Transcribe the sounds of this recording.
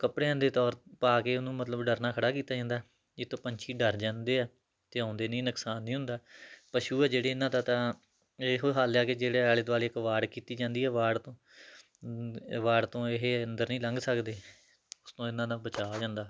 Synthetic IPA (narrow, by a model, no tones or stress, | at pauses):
kəpɽeːə̃nd̪eːt̪ɔːɾpaːkeːʊnũːmət̪ləbɖəɾnaːkʰəɽaːkiːt̪aːd͡ʒãːnd̪aː | d͡ʒɪt̪ːõːpəɲt͡ʃʰiːɖəɾd͡ʒãːnd̪eːɛː | t̪eːãːnd̪eːnĩːnəksaːnːĩːɦʊ̃nd̪aːpəʃuːɛːd͡ʒeːɽeːɪnːãːd̪aːt̪ãː | eɦoːɦaːljaːked͡ʒeːɽeːɛːlɪd̪ʋaːleːɪkʋaːɽkiːt̪iːd͡ʒãːnd̪iːɛːʋaːɽt̪õː | ʋaːɽt̪õːɪɦeːənd̪əɾnĩːləŋɡsəkd̪eː | ʊst̪õːɪnãːd̪aːbət͡ʃaːd͡ʒãːnd̪aː